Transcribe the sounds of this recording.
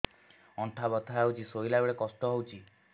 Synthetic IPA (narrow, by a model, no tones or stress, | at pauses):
ɔɳʈʰabɔt̪ʰaɦawt͡ʃʰisojlaɡɔɽekɔsʈɔɦowt͡ʃʰi